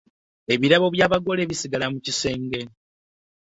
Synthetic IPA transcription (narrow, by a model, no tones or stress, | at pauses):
eβiɾaβo̞βjaːβaɡo̞le̞ːβisiɡalamucise̞ːŋɡe̞